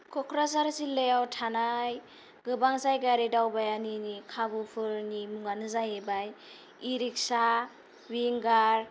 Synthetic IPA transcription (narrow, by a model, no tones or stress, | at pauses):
kʰɔkʰɾas̬aɾsilejawtʰanaj | ɡɯbaŋsajɡaɾidawbajaninikʰabɯpʰɯɾnimuŋanɯzajebaj | iɾik̚sa | wiŋɡaɾ